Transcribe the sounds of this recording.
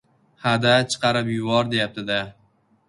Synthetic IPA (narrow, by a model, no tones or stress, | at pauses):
had̪at͡ʃʰɨ̥qʰɑɾɪpjʊvɒɾd̪e̞jap̚t̪ʰɪd̪a